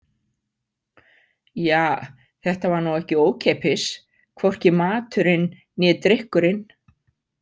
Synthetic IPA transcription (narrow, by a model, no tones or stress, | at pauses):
jaː | θɛht̪avaɾnawɛhcɪoːwcʰeːjpɪs | kʰvowr̥cɪmaːt̪ʏɾɪnː | ɛðt̪ɾɪhkʏɾɪn